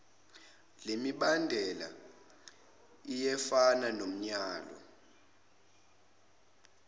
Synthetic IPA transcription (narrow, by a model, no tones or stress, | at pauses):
lemiɓandʱɛla̰ | ijɛfananom̩ɲaːlɔ̰